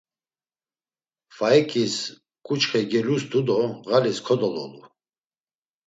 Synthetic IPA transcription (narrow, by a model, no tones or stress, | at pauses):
faɛkʼis | kʼut͡ʃχɛɡɛlusd̪ud̪ɔɣaliskʰɔd̪ɔlɔ̰lu